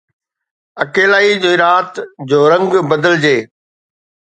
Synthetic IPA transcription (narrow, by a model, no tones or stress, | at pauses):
ɐkeːlaːid͡ʑoːɪɾaːt̪d͡ʑoːɾɐ̃ŋɡbɐd̪əld͡ʑeː